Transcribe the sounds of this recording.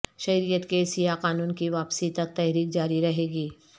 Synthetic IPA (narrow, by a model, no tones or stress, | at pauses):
ʃɐɾijət̪kesijaqaːnuːnkiʋaːpsit̪ɐk̚t̪ɛɦɾiːkd͡ʒaːɾiɾɐɦeːɡiː